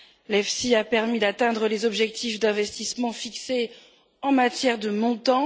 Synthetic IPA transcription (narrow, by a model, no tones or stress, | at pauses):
lɛfsiapɛʁmid̪at̪ɛ̃d̪ʁəlezɔbʒɛk̚t̪ʰifd̪ɛ̃vɛst̪ismɑ̃fikse | ɑ̃mat̪jɛʁd̪əmɔ̃t̪ɑ̃